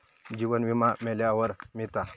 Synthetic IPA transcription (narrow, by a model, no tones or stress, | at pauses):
d͡ʑiʋənʋimameljaʋəɾmit̪a